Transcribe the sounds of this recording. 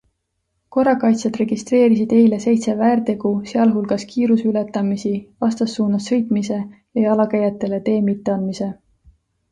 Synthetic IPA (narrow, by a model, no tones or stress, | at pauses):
ko̞rɑkɑjt̪sɑd̪re̞ɡ̥ist̪re̞ːɾisid̪̥e̞jle̞se̞jt̪sevæːrt̪e̞ɡ̥use̞ɑlɦulɡ̥ɑskiːɾusyle̞t̪ːɑmisivɑst̪ɑsːuːnɑsːɤ̞jt̪ˑmise̞jɑjɑlɑkæjɑt̪ːˑe̞le̞t̪e̞ːmit̪ːe̞ɑnmise̞